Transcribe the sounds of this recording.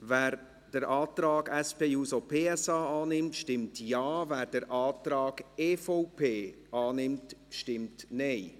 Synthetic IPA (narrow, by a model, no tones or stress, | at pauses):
væːɾ | d̥əɾʔaːtɾaːɡɛspeːjuːsopʰeːɛsaːaːnɪmtʃtɪmtjaːvæːɾd̥əɾʔaːtɾɑːɡ̥eːfɔʊpʰeː | ɑːnɪmtʃtɪmtnɛɪ